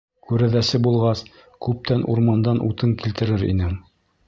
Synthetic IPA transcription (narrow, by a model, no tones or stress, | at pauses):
kʉɾæðæsɘbulˠʁɑs | kʉp̚t̪ænʔuɾmɑnd̪ɑnʔut̪ɤŋkilt̪ɘ̆ɾɘɾḭnɘ